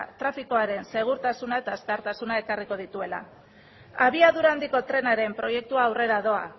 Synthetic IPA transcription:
t̪ɾafiko̞aɾe̞nse̞ɣ̞uɾt̪asunae̞t̪aeskeaɾt̪asunae̞kariko̞ð̞it̪ue̞la̰ | aβiaðuɾand̪iko̞t̪ɾe̞naɾe̞mpɾo̞je̞k̚t̪uaːwre̞ɾaðo̞a̰

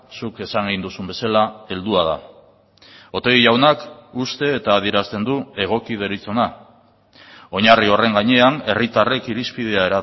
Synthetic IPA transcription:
suke̞saŋind̪usumbe̞salae̞ld̪uað̞a̰ | o̞t̪e̞ɣiʝawnakust̪e̞ːt̪aːðie̞ɾast̪e̞nd̪ue̞ɣ̞o̞kið̞e̞ɾit͡so̞na | o̞ɲario̞re̞ŋɡaɲe̞ane̞rit̪are̞kiɾispið̞e̞ae̞ɾa

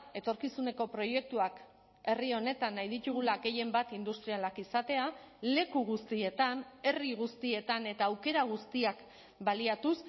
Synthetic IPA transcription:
e̞t̪o̞ɾkisune̞ko̞pɾo̞je̞k̚t̪uak | e̞rio̞ne̞t̪anːajðit̪uɣ̞ulaɣe̞je̞mbat̪ind̪ust̪ɾialakisat̪e̞a | le̞kuɣ̞ust̪ie̞t̪ane̞riɣ̞ust̪ie̞t̪ane̞t̪aːwke̞ɾaɣ̞ust̪iak | baliat̪us

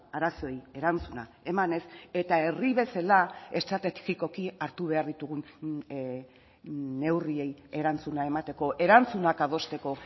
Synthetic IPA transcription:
aɾaso̞je̞ɾant͡suna̰ | e̞mane̞se̞t̪ae̞riβe̞salae̞st̪ɾat̪etiko̞kiaɾt̪uβ̞e̞aɾðit̪uɣ̞un | ne̞wrie̞je̞ɾant͡sunae̞mat̪e̞ko̞ʔe̞ɾant͡sunakað̞o̞st̪e̞ko̞

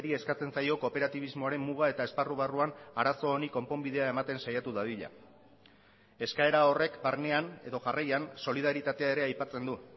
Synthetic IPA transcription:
ɾie̞skat͡se̞nsajo̞ko̞pe̞ɾat̪iβ̞izmo̞aɾe̞mːuɣ̞ae̞t̪ae̞sparuβaruanaɾaso̞ːniko̞mpo̞mbiðe̞ae̞mat̪e̞nsajat̪uðaβiʎa̰ | e̞skae̞ɾao̞re̞kbaɾne̞ane̞ðo̞ʝarajanso̞lið̞aɾit̪at̪e̞ae̞ɾe̞ajpat͡se̞nd̪u

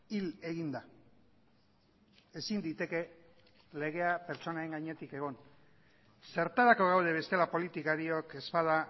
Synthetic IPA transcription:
ile̞ɣind̪a | e̞sind̪it̪e̞ke̞ | le̞ɣe̞ape̞ɾt͡so̞naeŋɡaɲe̞t̪ike̞ɣ̞o̞n | se̞ɾt̪aɾako̞ɣ̞awð̞e̞β̞e̞st̪e̞lapo̞lit̪ikaɾio̞ke̞spaða

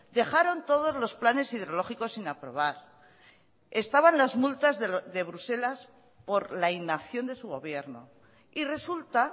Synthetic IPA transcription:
d̪e̞xaɾo̞nt̪o̞ð̞o̞zlo̞splane̞sið̞eo̞lo̞xiko̞sinapɾo̞β̞aɾ | e̞st̪aβanlazmult̪azððe̞βɾuse̞las | po̞ɾlainaθjo̞nd̪e̞suɣ̞o̞βje̞ɾno̰ | ire̞sult̪a

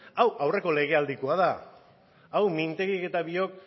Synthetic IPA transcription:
awawre̞ko̞le̞ɣ̞e̞ald̪ikoað̞a | awmint̪eɣike̞t̪aβio̞k̚

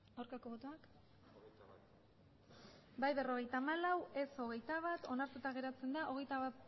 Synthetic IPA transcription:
awɾkako̞βo̞t̪oak | bajβe̞ro̞ɣe̞jt̪amalawe̞so̞ɣ̞e̞jt̪aβat̪o̞naɾt̪ut̪aɣ̞e̞ɾat͡se̞nd̪aʔo̞ɣ̞e̞jt̪aβat̪

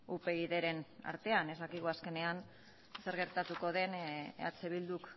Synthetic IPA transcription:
upe̞iðe̞ɾe̞na̰ɾt̪e̞ane̞zðakiɣ̞uaske̞ne̞an | se̞ɾɣe̞ɾt̪at̪uko̞ð̞e̞na̰t͡seβ̞ild̪uk

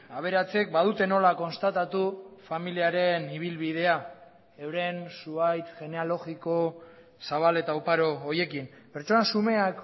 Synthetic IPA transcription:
aβ̞e̞ɾat͡se̞k̚bað̞ut̪e̞no̞lako̞nst̪at̪at̪ufamiliaɾe̞niβ̞ilβið̞e̞a | ewɾe̞nsuajt̪ʝe̞ne̞alo̞ɣiko̞ | saβ̞ale̞t̪aupaɾo̞ːje̞kim | pe̞ɾt͡ʃonasume̞ak

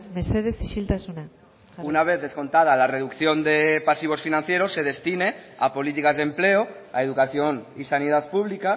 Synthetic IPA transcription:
meseðeθiʃilt̪asuna | unaβ̞e̞θðe̞sko̞nt̪að̞alare̞ðukθjond̪epasiβ̞o̞sfinãn̟θje̞ɾosːe̞ð̞e̞st̪ine̞a̰po̞lit̪ikazðe̞mpleo | aeð̞ukaθjonisaniðat̪̚puβlika

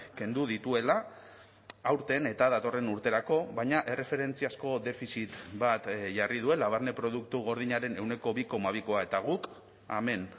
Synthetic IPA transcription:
ke̞nd̪uð̞it̪ue̞la | awɾt̪e̞ne̞t̪aðat̪o̞re̞nuɾt̪e̞ɾako̞βajɲaʔe̞re̞fe̞ɾe̞nt͡siasko̞d̪e̞fisit̪bat̪ʝarið̞ue̞laβ̞aɾne̞pɾo̞ð̞uk̚t̪uɣ̞o̞ɾð̞iɲaɾe̞ne̞wne̞ko̞βiko̞maβ̞iko̞ae̞t̪aɣ̞uk | a̰me̞n

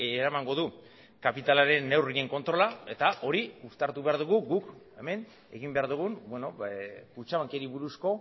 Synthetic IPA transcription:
ɾamaŋɡo̞ðu | kapit̪alaɾe̞nːe̞wrie̞ŋko̞nt̪ɾo̞lae̞t̪aʔo̞ɾiust̪aɾt̪uβe̞aɾðuɣ̞uɡuk | e̞me̞n | e̞̰ɣ̞imbe̞aɾðuɣ̞unbweno̞kut͡ʃaβaŋkeɾiβuɾusko̞

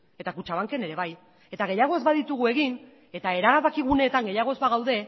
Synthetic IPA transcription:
e̞t̪akut͡ʃaβaŋke̞ne̞ɾe̞βaj | e̞t̪aɣ̞e̞jaɣ̞o̞ezbaðit̪uɣ̞ue̞ɣin | e̞t̪ae̞ɾaɣaβakiɣ̞une̞ːt̪aŋɡe̞jaɣo̞ezbaɣ̞awðe̞

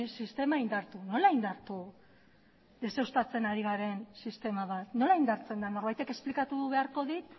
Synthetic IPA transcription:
sist̪e̞maind̪aɾt̪uno̞laind̪aɾt̪u | d̪e̞se̞wst̪at͡se̞naɾiɣaɾe̞nsist̪e̞maβat̪no̞laind̪aɾt͡se̞nd̪ano̞ɾβajt̪e̞ke̞splikat̪uβe̞aɾko̞ðit̪

